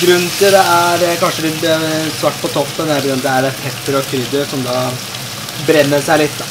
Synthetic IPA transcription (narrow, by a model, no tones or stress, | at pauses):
ɡɾʉnːt̪ɪld̪ɛæɾkɑnʂəlɪɛsʋɑʈːpʰɔt̪ʰɔpt̪ənæɾbɡɾʉnd̪æɾɛpʰɛt̪ːəɾɔkʰɾʏd̪əɾsɔmd̪ɑː | bɾɛnːəsæɪlɪt̪ː